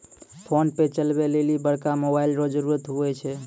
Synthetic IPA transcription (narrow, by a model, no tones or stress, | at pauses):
pʰonpet͡ʃəlbelelibəɽkamobailɾod͡ʒəɾuɾət̪ɦuɛt͡ʃʰɛ